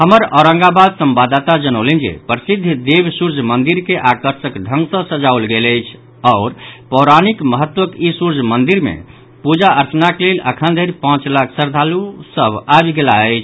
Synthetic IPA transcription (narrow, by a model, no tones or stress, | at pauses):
həməɾɔɾə̃ŋɡabad̪səmbad̪t̪ad͡ʒənəʊlend͡ʒḛpɾsid̪ʱd̪ebsuɾd͡ʒʱmənd̪iɾkeʔakəɾsəkɖʱə̃ŋɡsə̃səd͡ʒaulɡeləjt͡ʃʰ | ɔʊɾpɔʊɾanikməɦət̪wəkisuɾd͡ʒʱmənd̪iɾmḛ | pud͡ʒaəɾt͡ʃənakelelʔəkʰənd̪ʱəɾipãt͡ʃlakʰsəɾd̪ʱalusəbabɡelaət͡ʃʰ